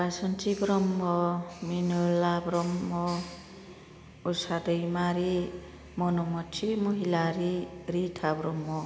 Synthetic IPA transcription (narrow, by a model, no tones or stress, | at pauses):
basɔnt͡ʃibɾɔmːɔminolabɾɔmːɔ | usad̪ʌjmaɾi | mɔnɔmɔt͡ʃʰimuɦilaɾiɾitʰabɾɔmːɔ